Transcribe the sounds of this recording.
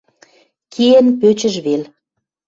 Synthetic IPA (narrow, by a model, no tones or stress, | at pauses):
kʰijənpøt͡ɕə̆ʒβel